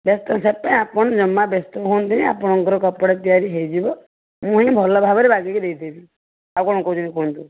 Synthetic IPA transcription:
best̪ɔsepaĩapɔɽ̃ɔd͡ʒɔmːabest̪ɔkont̪ʰinia̰pɔɽ̃ɔŋɡɔɾɔkɔpɔɽet̪ijaɾiɦejd͡ʒibɔ | mũɦĩbʱɔlɔbʱabɔɾebaɡikud̪ejt̪ʰini | akɔɽɔ̃kɔud͡ʒunĩkont̪ũ

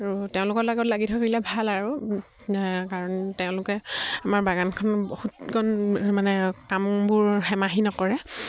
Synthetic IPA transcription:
aɹuteʊ̃lʊkɔtlaɡɔtlaɡitʰɔkailɛbʱalaɹu | kaɹɔnteʊ̃lʊkɛamaɹbaɡankʰɔnhutɡɔnmanɛkambʊɹxɛmaɦinɔkɔɹɛ

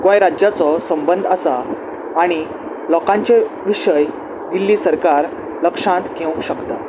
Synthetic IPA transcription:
kɔ̃jɾad͡ʑjat͡sɔsəmbənd̪ʱəsaː | ɽ̃i | lɔkãɲt͡ɕeʋiɕəj | d̪ilːiːsəɾkaɾ | ləkʂãt̪kʰeũŋɕəkt̪a

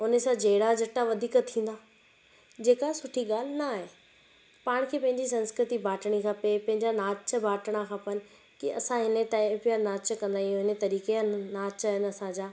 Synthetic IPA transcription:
ʊnesãd͡ʑeːɽad͡ʑɐʈaʋɐd̪ʱiːkt̪ʰĩːn̆d̪aː | d͡ʑeːkasʊʈʰiɠaːl̤ɪnaːɦeː | paːɽ̃kʰeːpɐ̃ɦɪ̃ɲd͡ʑis̬ɐ̃nskɾɪt̪ibʱaːʈəɽ̃ikʰãpepɐ̃ɦɪ̃ɲd͡ʑanaːt͡ɕə̆bʱaːʈəɽ̃akʰãːpənɪ̆ | kiʔɐ̰sãɦɪnet̪aːpijanaːt͡ɕkɐ̃nd̪aːijũɦɪnet̪ɐɾiːkenaːt͡ɕɦɪnɐsãd͡ʑaː

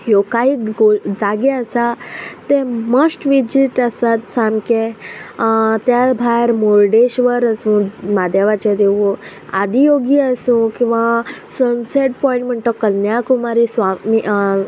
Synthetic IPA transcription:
jokaɦiːɡod͡zaɡɛəsat̪eməsʈʋid͡ʑiʈəsat̪samke | t̪jabʱajɾmoɾɖeɕʋəɾəsũmad̪ʱjaʋat͡ɕad̪eʋu | ad̪ʱijoɡiəsũkĩw̃ʋa | sənseʈ̚pɔĩɳʈm̤əɳʈ̪ɔkənjakumaɾisʋami

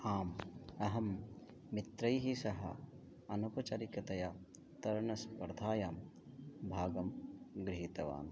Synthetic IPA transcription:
aːmɐɦɐmː | it̪ɾɐjɦisɐɦɐ̰ | ɐnupɐt͡ʃɐɾikɐt̪ɐjɐ | t̪ɐɾɳɐspɐɾd̪ʱaːjaːm | bʱaːɡɐmɡɾiɦit̪ɐʋa̰ːn

